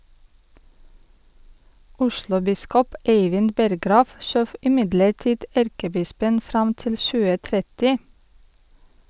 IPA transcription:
ˈʊʃlʊˌbɪskɔp ˈeɪʋɪn ˈbɛɾɡɾɑːʋ ˈʃøːʋ ɪˈmɪdləˌʈiːd ˈæɾkəˌbɪspən ˈfɾɑm ˈtɪl ˈʃʉːə ˈtɾɛtɪ

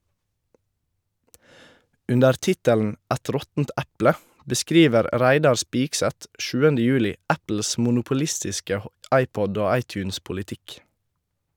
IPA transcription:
ˈʉndəɾ ˈtɪtəln̩ ˈɛt ˈɾɔtn̩t ˈɛplə bəˈskɾiːʋəɾ ˈɾæɪdɑɾ ˈspɪksɛt ˈʃʉːənə ˈjʉːlɪ ˈæpl̩s mʊnʊpʊˈlɪstɪskə ˈɑɪˌpɔd ˈoː ˈɑɪˌtjʉːns pʊlɪˈtɪk

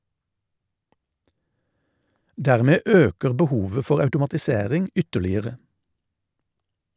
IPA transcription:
ˈdæːʁmeː ˈøːkəʁ bəˈhuːʋə ˈfɔʁ ɑʉtʊmɑtɪˈseːʁɪŋ ˈʏtəlɪəʁə

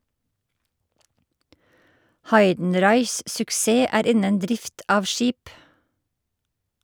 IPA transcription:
ˈhɑɪdn̩ˌɾɑɪs sʊkˈseː ˈæːɾ ˈɪnən ˈdɾɪft ˈɑːʋ ˈʃiːp

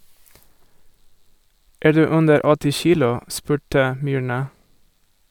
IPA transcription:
ˈæːɾ ˈdʉː ˈʉndəɾ ˈɔtɪ ˈçiːlʊ ˈspʉːʈə ˈmʏɳɑ

